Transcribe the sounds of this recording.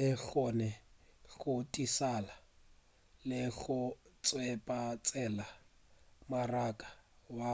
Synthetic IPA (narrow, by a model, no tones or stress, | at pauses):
ɪk͡xɔnɛ | ɣʊtʼisala | lɪɣʊt͡sʼwɛpʼat͡sʼɛla | marakʼḁwa